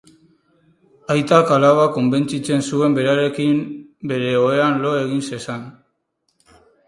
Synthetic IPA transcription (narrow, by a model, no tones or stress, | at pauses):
ajt̪akalaβako̞mbe̞nt͡sit͡se̞nsue̞mbe̞ɾaɾe̞kimbe̞ɾe̞o̞e̞anlo̞e̞ɣinse̞san